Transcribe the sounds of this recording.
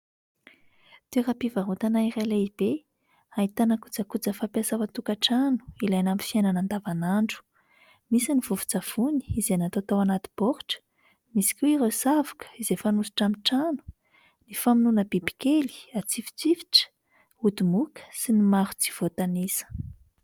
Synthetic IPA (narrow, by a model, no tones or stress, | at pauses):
t̪eɾapivaɦut̪anairaleib̥e | ait̪anəkut͡səkut͡səfapasawat̪ukaʈ͡ʂanu̥ilajnamifiananand̪avanaɳɖ͡ʐu̥ | misinivuvu̥t͡sav̥uni̥ːzenat̪ot̪awanat̪i̥b̥oɾu̥ʈ͡ʂə̥ | misi̥kʲueiɾosavḁkə̥izefanusu̥ʈ͡ʂamiʈ͡ʂanu̥ | nifaminunəbibi̥keli̥at͡sifi̥t͡sivi̥ʈ͡ʂə̥ | ud̪umukə̥sinimaɾud͡zi̥v̥ot̪anisə̥